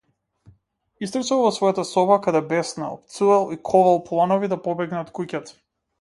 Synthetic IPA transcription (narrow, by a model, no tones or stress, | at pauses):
ist̪ɾ̩t͡ʃalˠvɔsvɔjat̪asɔbakad̪ɛbɛsna̰ɔ̰pt̪sualˠikʰɔvalˠplˠanɔvid̪apɔbɛɡnat̪kucat̪